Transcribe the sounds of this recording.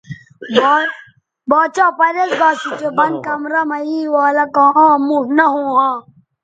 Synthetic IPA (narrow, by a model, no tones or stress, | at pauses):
b | baːt͡ʃaːpɐɾesɡaːsit͡ʃebɐn̚kɐmɾɐmɐiːwaːlɐkãːmuɦnɐɦũːɦãː